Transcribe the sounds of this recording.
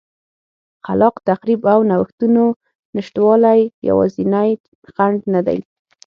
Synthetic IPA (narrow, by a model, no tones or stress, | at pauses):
qalɑqt̪aqɾibawnawəxt̪uno | nɪʃʈ̪wɑlajja̰wɑ̰zinaj | xaɳɖnad̪a̰j